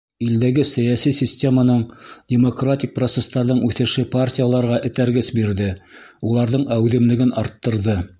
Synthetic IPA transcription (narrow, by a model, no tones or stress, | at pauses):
ild̪æɡɘsæjasisʲisʲtʲe̞manɤɴdʲemokratʲik̚prot̪se̞st̪ɑɾðɤɴʉθɘ̆ʃɘpartʲijalˠɑɾʁɑʔɘ̆t̪æɾɡɘsbiɾðɘulˠɑɾðɤɴæwðɘ̆mlɘ̆ɡɘnɑɾt̪ːɤ̆ɾðɤ